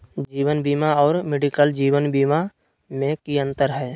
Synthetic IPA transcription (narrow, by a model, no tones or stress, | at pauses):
d͡ʒiːʋənbiːmaɔːɾmeɖikəld͡ʒiːʋənbiːma | mẽkiə̃nt̪əɾɦɛː